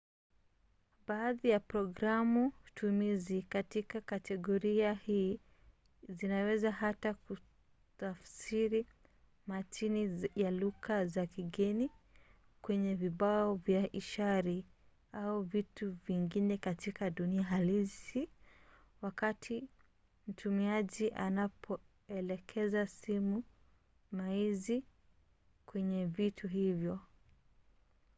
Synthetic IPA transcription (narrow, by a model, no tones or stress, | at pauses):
ɓaːðijapɾɔɡɾamutʰumizikatikakatɛɠɔɾiahiː | zinawɛzaɦataku | tafsiɾi | matinijaluɣazakiɠɛni | kwɛɲɛviɓaɔvjaʔiʃaɾi | auvituviŋɡinɛkatikaɗuniaɦalisi | wakatʰi | m̩tʰumiaʄiʔanapʰɔ | ɛlɛkʰɛzasimu | maizi | kwɛɲɛvitʰuɦivjɔ